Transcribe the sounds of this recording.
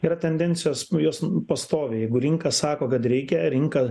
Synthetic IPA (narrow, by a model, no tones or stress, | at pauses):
iːɾɐt̪ʲɛnʲd̪ʲɛnʲtsʲɪjoːsjoːspɐst̪oːʋʲejɛɪɡʊɾʲɪŋkɐssɑːkoːkɐt̪ɾʲɛɪkʲɛɾʲɪŋkɐ